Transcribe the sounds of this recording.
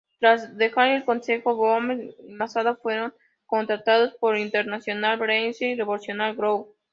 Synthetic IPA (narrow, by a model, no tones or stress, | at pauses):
t̪ɾazðe̞xaɾelko̞nse̞xoβomemasaðofweɾoŋ | ko̞nt̪ɾat̪aðospoɾint̪eɾnasjo̞nalbɾensireβolsjo̞nalɡɾow